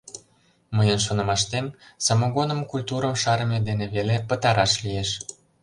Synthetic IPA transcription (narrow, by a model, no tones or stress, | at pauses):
məjənʃ̬onə̆mɑʃt̪emsɑmoɣonəmkulʲt̪uɾə̆mʃɑɾə̆med̪eneβelepə̆t̪ɑɾɑʃlieʃ